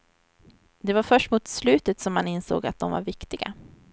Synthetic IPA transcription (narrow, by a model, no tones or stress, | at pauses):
d̪ɛvaɾfœʂʈmuːt̪slʉ̟ːt̪ət̪sɔmːanɪnso̰ːɡat̪̚d̪ɔmva̰ɾvɪkt̪ɪɡa̰